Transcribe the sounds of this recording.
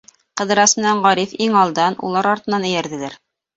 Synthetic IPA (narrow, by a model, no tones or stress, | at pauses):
qɤ̆ðɤ̆ɾɑsmɘ̆næɴʁɑɾifiŋɑlˠd̪ɑnṵlˠɑɾɑɾt̪ɤ̆nːɑnɵ̆jæɾðɘ̆læɾ